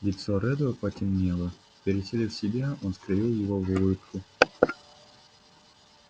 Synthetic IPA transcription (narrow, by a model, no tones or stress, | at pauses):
lʲɪt̪soɾɛd̪ʊəpɐtʲɪmnʲelˠə | pʲɪɾʲɪsʲelʲɪfsʲɪbʲaonskɾɨvʲilˠjɪvovɨɾut̪kʊ